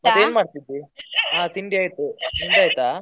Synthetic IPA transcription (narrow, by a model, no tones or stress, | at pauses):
mɐd̪eːnmaːɖt̪id̪iaːt̪iɳɖiaːjt̪ːut̪iɳɖaːjt̪aː